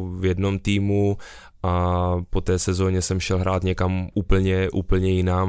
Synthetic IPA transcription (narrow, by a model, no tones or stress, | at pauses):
vjɛdno̞mt̪iːmu | ʔapo̞t̪ɛːsɛzo̞ːɲɛsɛmʃɛlɦɾaːt̪ɲɛkamuːpl̩ɲɛʔuːpl̩ɲɛjɪnaːm